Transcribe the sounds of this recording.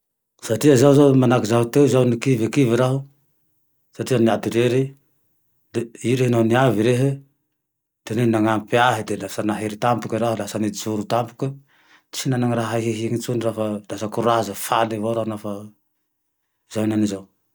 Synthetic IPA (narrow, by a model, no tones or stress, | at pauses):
satiazawzamanakizaut̪ewzawnikivekiveɾaɦu | satianiat̪iɾeɾe | iɾehnaniaviɾeɦe | tenenaŋampeaɦed̪elasanaɦeɾit̪ampukeɾaɦulasanid͡ʒuɾut̪ampu̥ke | sinanaŋɾaɦaɦiɦiŋit͡ʃuniɾafalasakuɾazafalevaɾaunafa | zawnanizaw